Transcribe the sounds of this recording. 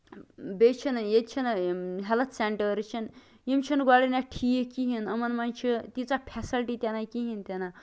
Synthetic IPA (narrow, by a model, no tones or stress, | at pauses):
bet͡ʃʰinjed̪t͡ʃʰinɦɛlət̪ʰseɳʈəɾt͡ʃʰin | jimt͡ʃʰinɡaɽinaʈʰijekiɦinəmɐnmant͡ʃʰit̪it͡sapʰɛsilʈit̪ʲanakiɦint̪ʲana